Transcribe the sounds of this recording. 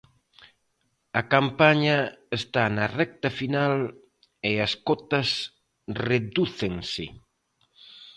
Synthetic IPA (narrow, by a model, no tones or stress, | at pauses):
ɐkampaɲɐest̪anɐrɛk̚t̪ɐfinal | eɐskɔt̪ɐs | reðuθeŋsɪ